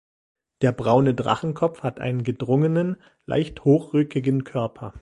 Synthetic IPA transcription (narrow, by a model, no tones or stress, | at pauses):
d̥eːɐbʁaʊnədʁa̰χn̩kʰɔp͡fhatʔa̰ɪnənɡədʁʊŋənən | la̰ɪçthoːxʁ̥ʏkɪɡənkʰœɐpʰɐ